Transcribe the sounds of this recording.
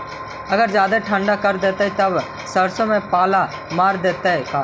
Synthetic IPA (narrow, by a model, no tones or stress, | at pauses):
ɐɡəɾd͡ʒjaːd̪aʈʰə̃ɳɖakəɾd̪eːt̪eɛt̪ɐb | sɐɾsõmẽpaːla | maːɾd̪eːt̪eɛkaː